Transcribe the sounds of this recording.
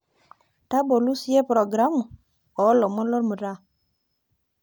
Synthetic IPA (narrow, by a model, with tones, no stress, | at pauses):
ta˦bo˨lu˦sje˦pɾo˨ɡɾa˦mu˨ | o˨˦lo˨mə˦lo˦ɾmə˨ɾa˦˨